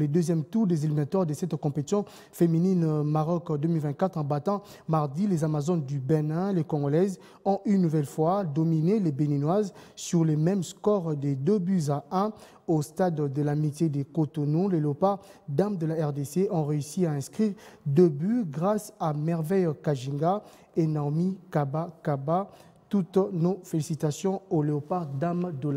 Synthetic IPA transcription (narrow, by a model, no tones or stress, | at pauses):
led̪øzjɛmt̪uʁd̪ezilminat̪waʁd̪əsɛt̪kɔ̃pet̪isjɔ̃ | femininmaʁɔkd̪ømilvɛ̃nt̪̚kat̪χɑ̃bat̪ɑ̃ | maʁd̪ilezamazɔnd̪ybenɛ̃lekɔ̃ɡɔlɛz | ɔ̃ʔynːuvɛlfwad̪ɔminelebeninwazsyʁlemɛmskɔʁd̪ed̪øbyzaɛ̃ | ost̪ad̪ːəlamit̪jed̪ekot̪onũleleopaʁd̪amd̪əlaɛʁd̪eseʔɔ̃ʁeysiaɛ̃skχiʁd̪øbyɡʁasamɛʁvɛjkaʒĩŋɡa | enamikabakaba | t̪ut̪nofelisit̪asjɔ̃oleopaʁd̪amd̪əla